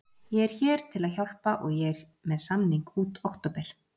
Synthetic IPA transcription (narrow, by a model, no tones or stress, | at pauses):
jɛɛɾ̥çɛːɾ̥t̪ʰɪlaðçawl̥paʔɔɣjɛɛɾ̥ | mɛðsamniŋkuːt̪owxkt̪ɔːpɛɾ̥